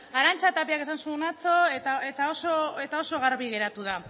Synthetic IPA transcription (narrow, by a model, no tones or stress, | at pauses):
aɾant͡sat̪apiakesansunat͡so̞et̪ae̞t̪ao̞so̞e̞t̪ao̞so̞ɣ̞aɾβiɣe̞ɾat̪uð̞a